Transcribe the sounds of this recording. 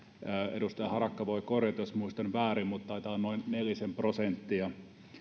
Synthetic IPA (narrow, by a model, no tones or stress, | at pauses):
ḛdust̪ɑjɑhɑrɑkːɑʋoikorjɑt̪josmuist̪ɑnʋæːrimmut̪ːɑit̪ɑːnnoinnelisemprosent̪ːiɑ